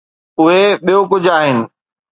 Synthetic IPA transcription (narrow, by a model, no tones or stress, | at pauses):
ʊɦeɓijok̬ʊd͡ʑʱaːɦɪnɪ̆